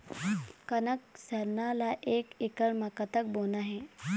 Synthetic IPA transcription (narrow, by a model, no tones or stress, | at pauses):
kənəksəɾnalaʔekikəɭmakət̪ək̚bonaɦe